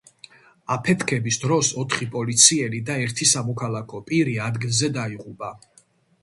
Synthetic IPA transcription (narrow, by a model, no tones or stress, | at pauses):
apʰɛt̪ʰkʰɛbisd̪ɾɔsɔt̪ʰχipʼɔlit̪sʰiɛlid̪aɛɾt̪ʰisamɔkʰalˠakʰɔpʼiɾiad̪ɡilˠzɛd̪aiʁupʼa